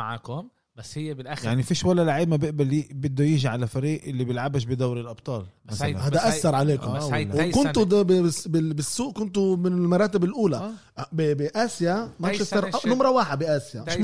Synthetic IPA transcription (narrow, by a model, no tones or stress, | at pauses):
maʕaːkː | hɪjːjaʕnifiːʃwalːalaʕiːbmabɪʔbalibɪd̪ːujɪːʒiʕalafaɾiːʔʔɪlːibjɪlʕabaʃbɪd̪awɾɪlʔɑb̚t̪ˤɑːlmmasalahaːd̪aʔasːɑɾˤʕaleːkʊmwkʊnt̪d̪bɪɪsbɪbɪsːuːʔkʊnt̪ʊmɪnɪlmɑɾˤɑːt̪ɪbɪlʔuːla | bɪbɪʔaːsjamaʃɪst̪ɑɾˤnʊmɾˤɑwaːħɪd̪biʔaːsjamɪʃ